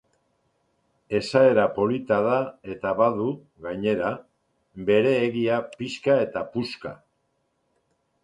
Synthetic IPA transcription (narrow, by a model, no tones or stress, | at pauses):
e̞sae̞ɾapo̞lit̪aðae̞t̪aβaðu | ɣajɲe̞ɾa | be̞ɾe̞ːɣiapiskae̞t̪apuska̰